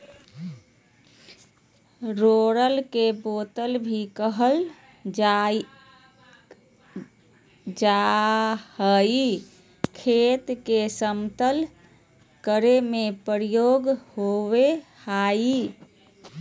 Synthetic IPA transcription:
ɾoɾəlkebot̪əlbʱikəɦəl | d͡ʒa | həi | kʰet̪kesəmt̪əl | kəɾemepəɾijoɡhowehai

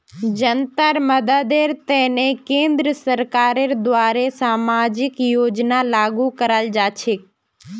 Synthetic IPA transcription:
d͡ʒənt̪əɾməd̪əd̪eɾt̪ɛɦnekẽːnd̪ɾəsəɾkaːɾeɾd̪ʋaːɾesaːmaːd͡ʒɪkjoːd͡ʒnalaːɡukəɾald͡ʒaːt͡ʃʰek

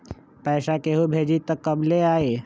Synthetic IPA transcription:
pɛːʃakeɦubʱeːd͡ʒit̪əkːəbleaːeː

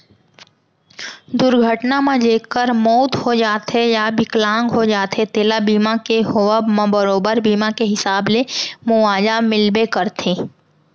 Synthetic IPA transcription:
d̪ʊɾɡʱəʈnamãd͡ʒeːkːəɾmoːt̪ɦod͡ʒaːt̪ɦejabɪklãːŋɡɦod͡ʒaːt̪ɦet̪eːlabiːmakeɦoəbmãbəɾoːbəɾbiːmakeɦɪsaːblemʊʋaːd͡ʒamɪlbekəɾt̪ʰẽː

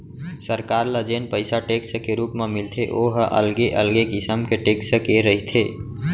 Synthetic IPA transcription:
səɾkaːɾləd͡ʒeːnpəɪsaʈekskeɾuːpmemɪlt̪ʰeʔoɦʔə̰lɡeʔəlɡekɪsəmkeʈeːksəkeɾəɦit̪ʰe

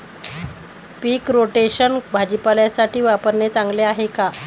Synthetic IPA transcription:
piːkɾoʈeɕənbʱad͡ʑipaljasaʈʰiːʋapəɾɳet͡saŋɡleaɦeka

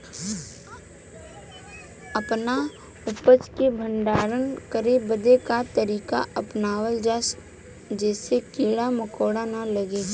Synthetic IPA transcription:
əpna | ʊpət͡ʃkebʱə̃ɳɖaːɾənkəɾebəd̪ekat̪əɾiːka̰ʔəpnaːwəld͡ʒas | d͡ʒɛːsekeːɽaməkoːɽanaləɡe

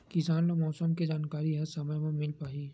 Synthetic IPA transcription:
kɪsaːnnomɔːsəmkid͡ʒaːnkaːɾiɛɦəsaməjmẽmɪlpaːɦiː

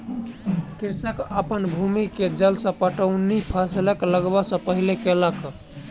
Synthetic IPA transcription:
kiɾsəkəpənbʱumiked͡ʒəlsə̃pəʈəʊnipʰasiləkləɡbəsə̃pəɦilekelək

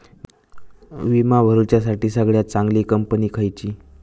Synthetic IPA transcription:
ʋimaʋʱəɾut͡ɕjas̬aʈiːsəɡɭjat͡saŋɡliːkəmpəniːkʰajt͡ɕiː

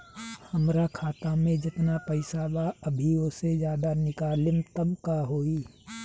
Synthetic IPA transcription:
hɐmɾakʰaːt̪amẽd͡ʒɪt̪napɐɪsabaəbʱiosed͡ʒjaːd̪anɪkaːlɪmt̪əmkaɦoːiː

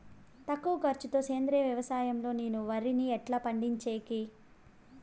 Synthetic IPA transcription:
t̪ɐkːuʋɐkɐɾt͡ʃut̪o̞ːt͡ʃeːnd̪ɾɛɐʋjɐʋɐsaːjɐmlo̞ːneːnuʋɐɾiniɛʈlɐːpɐɳɖiɲt͡ʃeːki

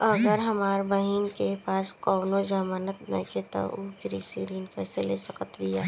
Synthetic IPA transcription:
əɡəɾɦɐmaːɾbəɦinkepaːskɔːnõd͡ʒaːmaːnət̪nə̰kʰet̪o̰ʔoɡɾiːsiɾiːnkɛːseleːsəkət̪bijaː

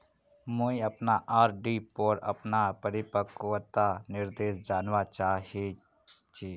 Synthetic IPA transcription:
mõːĩəpnaːʔaːɾɖiːpoːɾə̰pnaːpəɾɪpəkʋət̪aːnɪɾd̪eːsd͡ʒaːnʋaːt͡ʃaːɦeː | t͡ʃiː

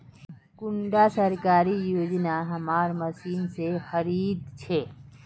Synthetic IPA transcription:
kʊ̃ɳɖasɐɾkaːɾijoːd͡ʒnaɦɐmaːɾmɐsiːnsexɐɾiːd̪t͡ʃʰeː

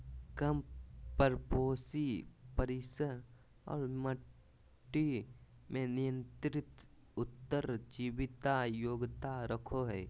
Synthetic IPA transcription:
kəmpəɾpoːsipəɾɪsəɾ | ɔ̰ːɾmə | ʈːi | mẽnɪjə̃nt̪ɾɪt̪ | ʊt̪ːəɾd͡ʒiʋɪt̪ajoːɡt̪aɾəkʰoɦɛː

